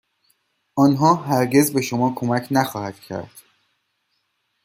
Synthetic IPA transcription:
ʔɒːnɦɒːɦæɾɟe̞zbe̞ʃo̞mɒːkʰo̞mæcʰnæxɒːhæd̪̥cʰæ̰ɾd̪̥

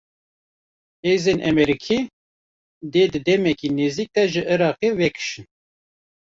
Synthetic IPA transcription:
heːzenʔɛ̰mɛɾikʰi | d̪eːd̪ɨd̪ɛmɛkineziːk̚d̪ɛʒɨʔɨɾɑːqewɛkʰɨ̥ʃɨn

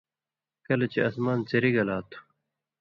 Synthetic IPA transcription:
kɐlet͡ɕeɐsmaːnt͡seɾiɡɐlaːt̪ʰu̥

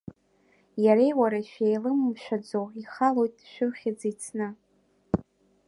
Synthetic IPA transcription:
jaɾejwaɾaʃᶣejlɨmmʃᶣad͡zowiχalo̞jtʼʃᶣʊχʲɪd͡zit͡sʰnɨ

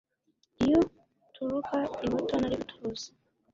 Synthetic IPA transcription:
ijo | tʰuɾukʰaiβutonaɾiβutʰuɾuze̥

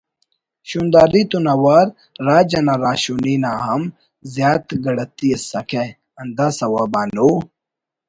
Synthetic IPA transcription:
ɕund̪aːɾit̪unawaɾ | ɾaːd͡ʒɐnaɾaːɕuninaːɦɐm | zjaːt̪ɡɐɽɐt̪iesɐkʰe | ɐnd̪asɐwaːbaːnu

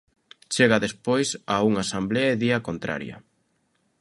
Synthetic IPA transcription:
t͡ʃeɣaðespojsauŋasambleɐeðiɐkont̪ɾa̰ɾjɐ̰

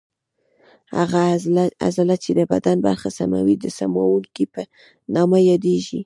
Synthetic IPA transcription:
ha̰ɣaa̰zalat͡ʃed̪əbad̪anba̰ɾxasama̰wid̪əsamawuŋkipə | nɑmajɑd̪eʒi

